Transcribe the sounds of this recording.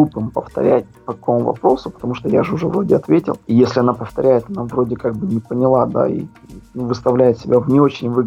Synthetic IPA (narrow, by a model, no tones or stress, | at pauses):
upɨmpəft̪ɐ̰ɾʲæ̰tʲpɐkɐko̞mʊvɐ̰pɾo̞sʊpə̥t̪ɐmuʂt̪oja̰ʐɨʊʐɛvɾo̞dʲɪɐt̪vʲetʲɪ̰lˠijesʲlʲɪɐnapəft̪ɐɾʲæjɪt̪ɐnavro̞dʲɪkaɡ̚bɨnʲɪpənʲɪlˠad̪a̰ḭ | nuvɨst̪ɐvlʲæjɪt̪sʲɪbʲavnʲɪo̞t͡ɕɪnʲvɨ